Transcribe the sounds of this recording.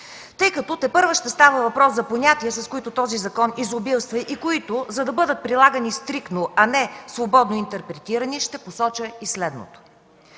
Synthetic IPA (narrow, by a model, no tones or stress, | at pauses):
t̪ɤjkɐt̪ɔt̪ɛpɤɾvəʃt̪ɛst̪avəvɐpɾɔszɐponʲat̪iɛsɐskoit̪ot̪ɔzizɐkɔnizobilˠst̪vɐʔikoit̪ozɐd̪ɐbɤd̪ət̪̚pɾilˠaɡɐnist̪ɾikt̪noʔɐnɛsvobɔd̪noint̪ɛɾpɾɛt̪iɾɐniʃt̪ɛposɔt͡ʃəislɛd̪no̰t̪o̥